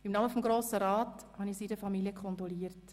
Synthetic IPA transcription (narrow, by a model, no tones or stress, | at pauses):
ɪmnɑməfɔmɡɾoːsəɾɑːthɑnisidəfɑmiliəkʰɔntɾɔliːəɾt